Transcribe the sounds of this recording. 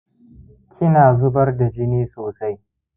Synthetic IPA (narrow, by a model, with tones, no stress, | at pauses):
kʲʰɪ˦naː˨zʊ˦bɐ˦rda˨d͡ʒɪ˦neː˦soː˨sa˦j